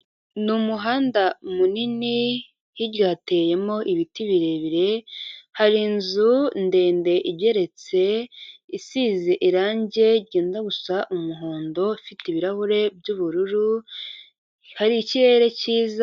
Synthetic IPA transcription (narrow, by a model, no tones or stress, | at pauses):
numuɦaːndamunini | hiɾɟaːte̞je̞mo̞ʔiβitiβiɾeβiɾe̞haɾinzunde̞ːnde̞ʔibje̞ɾe̞t͡se̞isiːziʔiɾaːɲɟe̞ɾɟeːndaɡusaʔumuɦoːndo̞fitiβiɾahuɾe̞b̚ɟuːβuɾuɾu | haɾiciɾe̞ɾe̞ciːza